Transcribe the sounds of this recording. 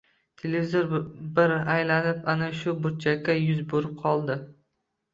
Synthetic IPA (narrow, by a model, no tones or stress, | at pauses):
t̪ʰelevizoɾbɪɾajlanɪpanaʃʊbʊɾt͡ʃʰakʲːajʊzboɾɪp̚qʰɒlˠd̪ɪ